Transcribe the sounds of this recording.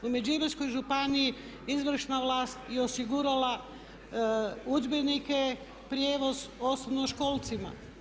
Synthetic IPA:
umed͡ʒimesko̞jʒupaniji | izʋr̩ʃnaʋlaːst̪jeosiɡuɾala | ud͡ʒbenike | pɾje̞ːʋo̞zo̞snobnoʃko̞ːlˠt̪sima̰

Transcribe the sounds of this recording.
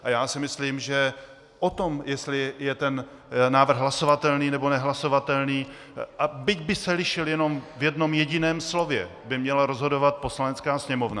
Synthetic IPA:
ʔajaːsɪmɪsliːmʒɛ | ʔot̪o̞mjɛst̪lɪjɛt̪ɛn | naːvr̩ɣɦlaso̞vat̪ɛlniːnɛbo̞nɛɦlaso̞vat̪ɛlniː | ʔabɪɟbɪsɛlɪʃɪljɛno̞mvjɛdno̞mjɛɟɪnɛːmslo̞vjɛ̰ | bɪmɲɛlaɾo̞zɦodo̞vat̪̚po̞slanɛt͡skaːsɲɛmo̞vna̰

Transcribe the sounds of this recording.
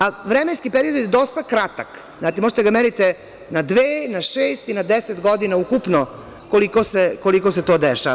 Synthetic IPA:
aʋɾemenskipeɾiod̪ed̪o̞st̪akɾat̪ak | zaːt̪imoʒe̥t̪ɡameɾit̪e | nad̪ʋeːnaʃeːst̪inad̪eset̪ɡo̞d̪inaukupno | kolikoseko̞liko̞s̬et̪oːd̪eʃa̰

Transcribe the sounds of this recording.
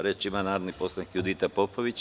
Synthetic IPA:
ɾet͡ʃimanaːɾod̪nipo̞slˠanikjud̪it̪apopoʋit͡ɕ

